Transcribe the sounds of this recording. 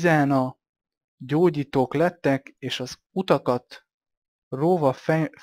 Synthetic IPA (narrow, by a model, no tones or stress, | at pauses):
zaːnɒ | ɟoːɟiːt̪oːklɛt̪ːɛkeːʃɒz | ut̪ɒkɒt̪ | roːvɒ